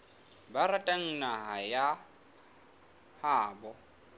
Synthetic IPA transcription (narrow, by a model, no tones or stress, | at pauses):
baɾatʼaŋ̩naɦaja | haːbɔ